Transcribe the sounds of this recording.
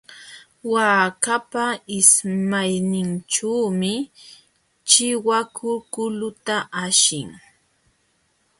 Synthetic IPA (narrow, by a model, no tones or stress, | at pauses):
waːkapaɪsmajnɪnʈ͡ʂaːmɪ | t͡ʃɪwakʰʊkʊlʊt̪aʔaʃɪŋ